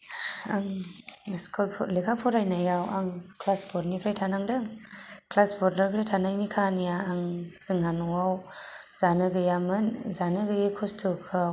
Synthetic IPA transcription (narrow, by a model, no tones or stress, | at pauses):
aŋ | skʰɔlpʰɔlekʰapʰɔɾajnajawaŋkʰlasbʰɔɾnikʰɾajtʰanaŋdɯŋkʰlasbɔtnakʰɾajtʰanajnikʰanjaːŋz̥ɯŋɦanɔwawz̥anɯɡɯjamɯnzanɯɡɯɡɯkʰɔstʰɯkʰɯw